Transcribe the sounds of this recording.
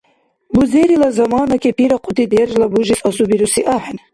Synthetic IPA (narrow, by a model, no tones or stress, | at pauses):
buzeɾilazamaːnakʰʲipʰiɾaqʰʼʊd̪id̪ɛrʒlabuʒisasubiɾusiʔaħn